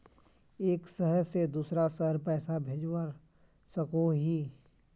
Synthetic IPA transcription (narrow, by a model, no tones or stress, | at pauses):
eːksəɦəɾsed̪uːsɾasəɦəɾpɛːsabʱeːd͡ʒwaɾ | sɐkoɦiː